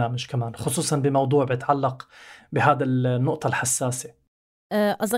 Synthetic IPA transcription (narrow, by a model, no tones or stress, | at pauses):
aːmaʒkamaːnxʊsˤuːsˤɑnbɪmɑwd̪ˤuːʕbjɪt̪ʕalːɑqbɪɦaːd̪anːʊʔt̪ˤɑlħasːaːse̥ | ʔɑz